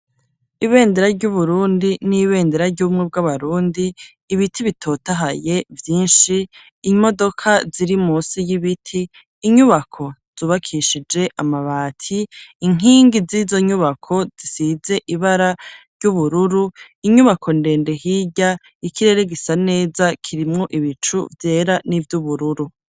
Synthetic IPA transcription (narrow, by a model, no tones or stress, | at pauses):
iβe̞ːndeɾaɾɟuβuɾuːndiniβe̞ːndeɾaɾɟumŋeb̚ɡaβaɾuːndiː | βitʰiβitʰo̞ːtaɦaje̞vjiːnʃiː | mo̞do̞kʰaziɾimuːsijiβitʰiː | ɲuβakʰo̞z̥uːβakʰiʃid͡ʒe̞ʔamaβaːtʰiːŋ̥iːŋɡizizo̞ɲuβakʰo̞z̥isize̞ʔiβaɾaɾɟuβuɾuɾu | iɲuβakʰo̞nde̞ːnde̞ɦiːɟa | ikʰiɾe̞ɾe̞ɡisane̞ːzakʰiɾimŋo̞ʔiβit͡ʃṵvje̞ːɾanivjuβuɾuɾu